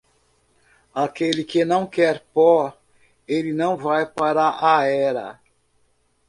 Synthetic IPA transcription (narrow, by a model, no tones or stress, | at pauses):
akelɪkenɐ̃w̃kɛɾpɔ | elɪnɐ̃w̃vajpaɾɐʔaɛɾɐ̰